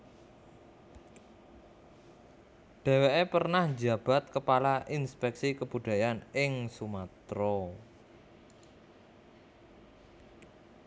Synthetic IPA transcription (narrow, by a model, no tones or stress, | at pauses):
ɖ̥e̤weʔepərnahd͡ʒab̥a̤t̪̚kəpalaʔinspɛksikəb̥uɖ̥a̤janɪŋsumat̪ɾɔ